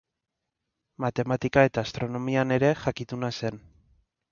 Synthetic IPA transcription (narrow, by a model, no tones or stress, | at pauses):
mat̪e̞mat̪ikae̞t̪aːst̪ɾo̞no̞miane̞ɾe̞xakit̪unase̞n